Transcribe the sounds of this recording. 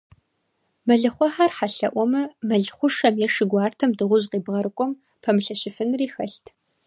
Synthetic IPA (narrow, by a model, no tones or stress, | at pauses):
mɐɮɨχʷɔħaːrħaɬɐ̰ʔʷɔmɐmɐɮχʷʊʂɐmjɛʂɪɡʷɑːrtʰɐmdɨʁʷʊʑqiːbʁɐɾɨkʷʼɔm | pʰɐmɨɬɐɕɪfɨnriːxɐɬtʰ